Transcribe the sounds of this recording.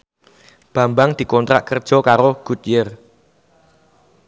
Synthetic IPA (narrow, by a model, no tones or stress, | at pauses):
b̥ä̤mbaŋd̪̥i̤kɔnt̪ɾa̰ʔkərd̥ʒ̥ɔ̤kaɾoɡ̥ut̪̚jər